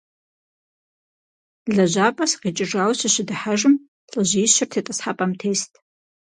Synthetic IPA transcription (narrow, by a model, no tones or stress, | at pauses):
ɮaʒʷapʼasqit͡ʃʼɪʐawɕaʃɪdaħaʐɨm | ɬʼaʒɪiʃɪrtʰetʼasħapʼamtʰejstʼ